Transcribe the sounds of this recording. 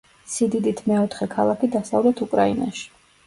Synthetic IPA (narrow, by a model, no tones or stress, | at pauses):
sid̪id̪it̪ʰmɛɔt̪ʰχɛkʰalˠakʰid̪asavlɛt̪ʰukʼɾaina̰ʃi̥